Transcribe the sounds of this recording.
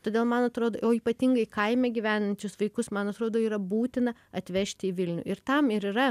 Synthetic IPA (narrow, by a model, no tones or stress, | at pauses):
t̪oːd̪ʲeːlˠmɐnɐt̪ɾoːd̪o̰ːoːiːpɐt̪ʲɪŋɡɐɪkɐɪmʲɛːɡʲiʋʲæːnɐnʲt͡ʃʲʊsʋɐɪkʊsmɐnɐt̪ɾoːd̪oːiːɾɐbuːt̪ʲɪnɐɐt̪ʲʋʲɛʃʲt̪ʲɪɪʋʲɪlʲnʲṵːʔɪɾt̪ɐmɪɾiɾɐ